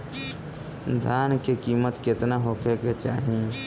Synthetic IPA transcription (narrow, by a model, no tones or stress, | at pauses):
d̪ʱaːnkekiːmət̪kɪt̪naɦokʰeket͡ʃaːɦĩ